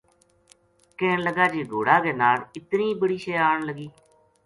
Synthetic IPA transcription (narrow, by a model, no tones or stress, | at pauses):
keːnləɡaːd͡ʒeːɡoːɽaːɡeːnaːlɪt̪niːbəɽiːʃeːaːɳləɡiː